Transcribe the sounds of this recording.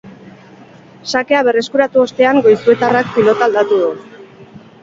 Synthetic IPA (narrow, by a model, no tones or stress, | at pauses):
sake̞aβ̞e̞re̞skuɾat̪uo̞st̪e̞aŋɡo̞jsue̞t̪arakpilo̞t̪ald̪at̪uðu